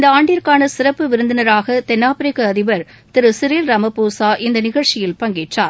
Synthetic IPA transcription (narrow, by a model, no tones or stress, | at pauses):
nd̪ɐaːɳɖɪjɐɾkaːnɐsɪɾɐpːɯʋɪɾɯnd̪ɪnɐɾaːɣɐt̪ɛnːaːpɪɾɪkɐɐðɪʋɐɾ | t̪ɪɾɯsɪɾiːlɾɐmɐpːuːsaːʔɪnd̪ɐnɪɣɐɻt͡ʃɪjɪlpɐŋɡeːʈraːɾ